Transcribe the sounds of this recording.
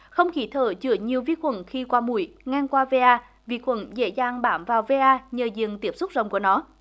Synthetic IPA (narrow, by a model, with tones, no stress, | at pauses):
xə˧wŋ͡mxi˨˩t̪ʰəː˧˩t͡ɕɨ̰˧˩əɲi˨˩əwvi˧xwə̰˧˩nxi˧kwaː˧mṵ˧˩jŋa˧ŋkwaː˧ve˧ʔaː˧ | vḭ˧˩xwə̰˧˩nzḛ˧˥zaː˧ŋɓaː˧˩mvaː˨˩wve˧ʔaː˧ɲəː˨˩zɨ̰˧˨əŋt̪i˦˥əp̚sʊ˦˥k͡p̚zə˨˩wŋ͡mkənɔ˨˦